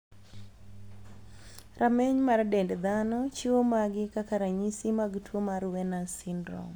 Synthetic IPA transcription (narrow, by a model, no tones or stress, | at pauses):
rʔamɛɲmardɛndd̪anɔt͡ʃiwomaɡɪkakaɾaɲisimaɡtwomaɾwɛnasɪndɾɔ̰ŋ